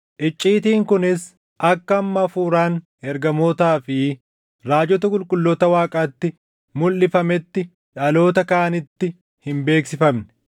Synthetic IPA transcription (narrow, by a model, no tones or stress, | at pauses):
ʔɪt͡ʃʼːiːt̪iːŋkʊnɪs | ʔɐkːɐːmːɐːfuːɾaːn | ɛɾɡɐmoːt̪aːfɪ | ɾaːd͡ʒɔt̪ɐkʼʊlkʼʊlːɔt̪ɐwaːkʼaːt̪ːɪ | mʊlːɪfɐmɛt̪ːɪ | ᶑɐlo̞ːt̪ɐkɐːnɪt̪ːɪ | hɪmbe̞ːksɪfɐmnɛ̥